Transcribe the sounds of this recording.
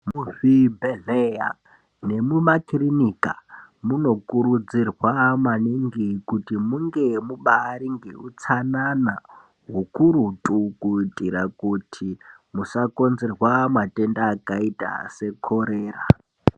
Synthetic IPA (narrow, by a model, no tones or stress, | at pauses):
mufibeɮeja̰ | ne̞mumakrinikamuno̞kuɾud͡zirwamwaniŋɡikutimuŋɡemuɓaːɾiŋɡḛut͡sanana | ɦukuɾutʼukuitʼiɾakutʰimusako̞nzerwamwatendaːkaita̰se̞kʰoɾeːra